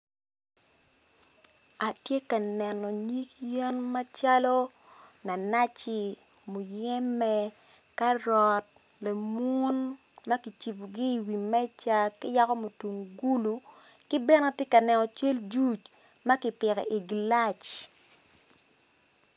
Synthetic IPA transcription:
a˨tje˦ka˨nɛ˨nɔ˨ɲi˦kje˦nma˦t͡ʃa˦lɔ˦ | na˨na˦t͡ʃɪ˦˨ | mu˨jɛ˦mɛ˦ | ka˦ɾɔ˨t̚ | le˨mu˦n | ma˦ki˨t͡ʃi˨pɡi˦i˨wi˨mɛ˦t͡ʃa˦kɪ˦ja˦kɔ˦mo˨tu˨ŋɡu˦lu˨ | kɪ˦bɛ˦na˨tje˦ka˨nɛ˨nɔ˨t͡ʃe˦ld͡ʒu˦t͡ʃ | ma˦kɪ˨pɪ˨kɛ̰˨ʔi˨ɡla˦t͡ʃ

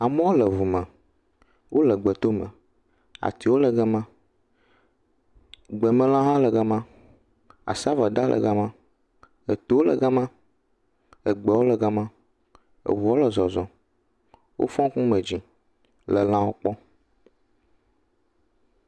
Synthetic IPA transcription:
a˨mɛ̃˦wo˦lə˨vu˨mə̃˨ | wʔo˦lə˨ɡ͡bə˨t̪o˦mə̰̃˨ | a̰˨t̪i˨wo˦lə˨ɡə˦mã˦ | ɡ͡bɛ˨mə̃˨l̃ã˦ɦã˦lə˨ɡa˦mã˦ | a̰˨sa˦va˨d̪a˦lʔə̰˨ɡa˦mã˦ | ə˨t̪o˦o˦lə̰˨ɡa˦mã˦ | ə˨ɡ͡bɛ˨wo˦lə˨ɡa˦mã˦ | ə̰˨vu˨o˦lə˨zɔ˨zɔ̃˨ | wo̰˦fɔ̃˦ŋ˦kũ˦mə̃˨d͡ʑĩ˨ | lə˨l̃ã˦wo˦k͡pɔ˦

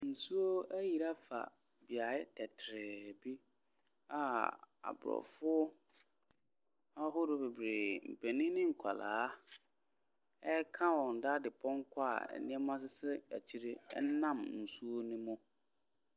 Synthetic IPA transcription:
n̩˨su˦o˦æ˦ji˨ɾa˦fa̰˨ | bi˨a˨ɪ˦tʰɛ˨tʰɾɛ˨bi˦ | a˨a̰˨bʊ˨ɾɔ̰˨fʊ˦ | a˦ɦʊ˦ɾʊ˦be˨bɾe˨m̩˨pʰe˨nĩ˦nɪ̃˦ŋ̩˨kʰa˨la̰ː˨˦ | ɛ˦kʰã˦wɔ˨n̩˨da˦dɪ˨pʰɔ̃˦ŋ˦kʰa̰˦˨ɛ̰˨nɪ̃˦ɛ˦mã˦s̬ɪ˦sɪ˦æ̰˨t͡ɕʰi˦ɾe˦ɛ̰˦nã˦˨mn̩˨su˦o˦nʊ̃˦mʊ̃˦

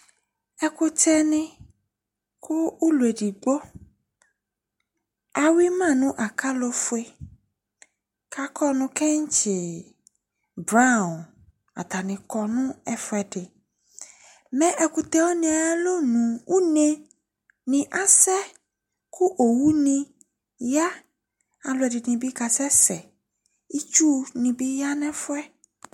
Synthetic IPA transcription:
ɛ˨kʊ˦t͡ʃɛ˦nɪ̃˦ | kʊ˦u˦lu˨e˨ɖi˨ɡ͡bo˦ | a˨wi˦mã˦˨nʊ̃˦ʔa˨ka˦lo˦fʊ˨˦e˦ | kʰa˨kɔ˦nʊ̃˧kɛ˦ŋ̩˦t͡ʃɪ˨ | bɾã˦˨n | a̰˨t̪a˨nɪ̃˨kɔ˨nʊ̃˦ɛ˦fʊ˨˦ɛ˨ɖɪ˨ | mɛ̃˦ʔɛ˨kʊ˨t̪ɛ˨wo˦nɪ̃˨a˨a˦lo˦nũ˨u˦ne˦ | nɪ̃˨ʔa˦sɛ˦ | kʰʊ˦ʔo˨wu˦nĩ˦ | ja˦ | a˨lʊ˨ɛ˨dɪ˨nɪ̃˨bi˦ka˨sɛ˦sɛ˨ | i˦t͡ʃu˦nɪ̃˨bi˦ja˦nɛ̃˦fʊ˦ɛ˦

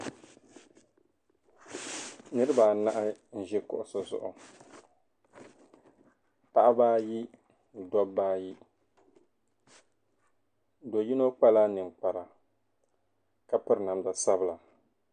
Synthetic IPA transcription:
nɨ˦ɾɨ˦ba˨na˦ʔɪ˦n̩˨ʒɛ˦kʊ̰˦ʔʊ˨so˨zʊ̰˨ʔʊ˨ | pa˦ʔa˦baː˦ji˦ | n˨dɔ˦bːaː˦ji˦ | do˨ji˦no˦k͡pa˦laː˦nɨ˨ŋk͡pa˨ɾa˨ | ka˦pɨ˦ɾna˨mda˨sa˦bɨ˦la˨

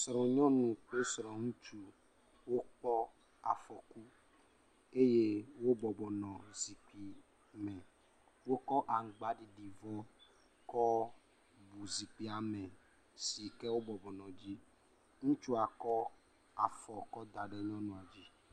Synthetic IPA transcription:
sɾɔ̃˨ɲɔ̃˦nũ˨k͡pe˦sɾɔ̃˨ŋũ˦t͡ʃu˦ | wo˦k͡pɔ˦ | a˨fɔ˨ku˦ | e˦je˦wo˦bɔ˨bɔ˨nɔ̃˨zi˨k͡pi˨ | mɛ˨ | wo˦kɔ˦ʔa˨ŋ̩˨ɡ͡ba˨˦ɖi˨ɖi˨vɔ˦ | kɔ˦ | bu˨zi˨k͡pi˦a˨mẽ˨ | si˨kɛ˦wo˦bɔ˨bɔ˨nɔ̃˨d͡ʒi˦ | ŋũ˦t͡ʃu˦a˨kɔ˦ | a˨fɔ˨kɔ˦d̪a˨ɖe˦ɲɔ̃˦nũ˨a˨d͡ʒi˦

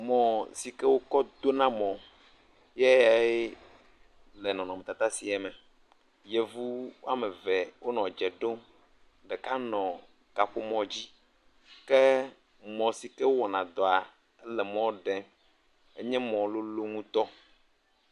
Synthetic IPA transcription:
mɔ̃˨si˨kɛ˦wo˦kɔ˦d̪o˦nã˦mɔ̃˨ | jɛ˦ja˨e˦ | lɛ˨nɔ̃˨nɔ̃˨me˨t̪a˨t̪a˦si˨ɛ˨mɛ̃˨ | jɛ˨vu˦wa˦me˨vɛ˨wo˦nɔ̃˨d͡ʒɛ˨ɖo˦m | ɖɛ˨ka˦nɔ̃˨ | ka˨ɸo˦mɔ̃˨d͡ʑi˦ | kɛ˦ | mɔ̃˨si˨kɛ˦wo˦wɔ˨nã˨d̪ɔ˨a˨ | ɛ˦lɛ˨mɔ̃˦ɖɛ̃˨ | e˦ɲɛ̃˦mɔ̃˨lo˦lo˦ŋũ˦t̪ɔ˦

